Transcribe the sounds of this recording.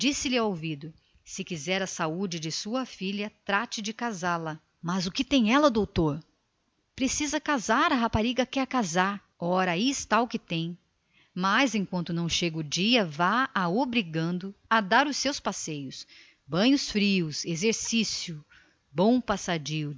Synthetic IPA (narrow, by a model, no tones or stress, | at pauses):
d͡ʒisɪlɪaowvid̪ʊ | sɪkizɛɾɐsaud͡ʒɪd͡ʒɪsuɐfilʲɐt̪ɾat͡ʃɪd͡ʒɪkazalɐ | mɐzʊkɪt̪ẽj̃ɛlɐd̪owt̪oɾ | pɾesizɐkazaɾɐɦapaɾiɡɐkɛkazaɾ | ɔɾɐaiɪst̪aʊkɪt̪ẽj̃ | mazẽj̃kwɐ̃nt̪ʊnɐ̃w̃ʃeɡʊd͡ʒiɐvaaobɾiɡɐ̃nd̪ʊad̪aɾʊsːewspasejʊs | bɐ̃ɲʊsfɾiʊsezeɾsisjʊ | bõw̃pasad͡ʒiʊ